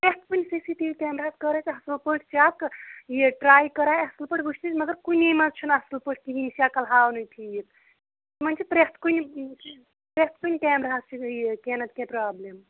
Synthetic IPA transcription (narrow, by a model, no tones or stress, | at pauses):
pɾest̪̚ʰkunʲisisiʈiʋikʲeːmɾaːskəɾat͡ʃɦɐslupəʈʰt͡ʃaːkjeʈɾaːjkəɾaːjɐslpəʈʰbut͡ʃʰt̪it͡ʃmɐɡəɾkunemɐt͡ʃʰunaslpəʈ̚ʰk̪iɦinsijakɐlɦaːwnɨjt̪ʰijt̪̚ | t̪mɐnt͡ʃʰipɾest̪ʰkuni | pɾest̪̚kunʲkʲeːmɾaːst͡ʃʰijekeːnɐt̪kẽpɾaːblem